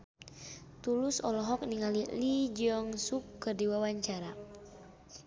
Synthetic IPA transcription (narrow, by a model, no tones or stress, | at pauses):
t̪ulusɔlɔɦɔk̚niŋalilid͡ʒiɔŋsukːɨrdiwawaɲt͡ʃaɾa